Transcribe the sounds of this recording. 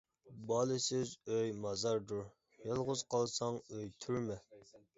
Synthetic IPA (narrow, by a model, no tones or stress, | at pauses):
bɑːlˠɨsɪzøjmɑzɑɾd̪uɾ | jɑlˠʁʊz̥qʰɑlˠsɑŋøjt̪ʰyɾmɛ